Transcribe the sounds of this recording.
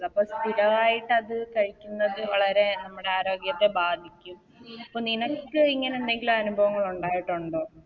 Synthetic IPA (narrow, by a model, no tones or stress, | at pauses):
ɐpːoːst̪ʰiɾɐʋaːjiʈːɐðɨkɐɻikʲːunːɐðɨʋɐɭɐɾe̞nɐmːuɽe̞aːɾo̞ːɡjɐt̪ːe̞baːd̪ʱikʲːum | ɐpːoːninokkːɨiŋːɐneend̪e̞ŋɡilumɐnubʱɐʋɐŋːɐɭuɳɖaːjiʈːuɳɖoː